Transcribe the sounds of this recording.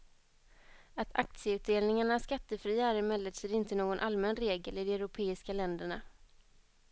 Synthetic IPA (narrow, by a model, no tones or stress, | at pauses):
at̪ʰa̰k̚t̪sɪəʉ̟ːt̪̚d̪eːlnɪŋaɳaskat̪ːəfɾiːaæɾɪmɛlːət̪sɛɾɪnt̪ənoːɡɔnʔalmɛnɾeːɡəlɪd̪ɔɛɾʊpʰeːɪskalɛnd̪əɳa̰